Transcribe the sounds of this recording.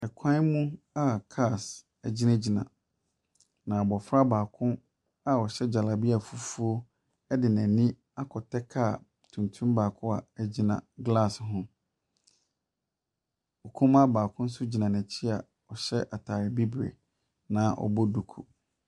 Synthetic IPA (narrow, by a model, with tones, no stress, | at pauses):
ɛ˨kʰã˦mũ˦ | a˨kʰa˦˨s | ɛ˨d͡ʑi˦nã˦d͡ʑi˨nã̰˨ | nã˨bɔ˨fɾa˦baː˨kʰʊ̃˦ | a˨ɔ˨ɕɛ˦d͡ʑa˨la˨bi˦a˨fu˨fu˦o˦ | ɛ˦dɪ˨nɛ̃˨nĩ˦ | a˦kʰɔ˨tʰɛ˦kʰa˦˨ | tʰũ˨ntʰũ˦mbaː˨kʰʊ̃˦a˨d͡ʑi˨nã̰˨ɡla˦˨sɦʊ̃˦ | ɔ˨kʰũ˦mã˦baː˨kʰʊ̃˦n̩˦sʊ˦d͡ʑi˨nã˨nɪ̃˨t͡ɕʰɪ˦a˨ | ɔ˨ɕɛ˦ʔa˨tʰaː˨ɾɪ˨bi˦bɾḛ˨ | nã˨˦ʔɔ̰˨bɔ˦du˨kʰu˨